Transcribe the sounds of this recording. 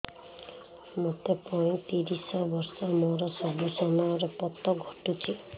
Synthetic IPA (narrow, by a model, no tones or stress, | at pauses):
mɔt̪epɔĩt̪iɾisɔbɔɾsɔmɔɾɔsɔbisɔnaɾɔpɔt̪ːɔɡʱɔʈut͡ʃʰi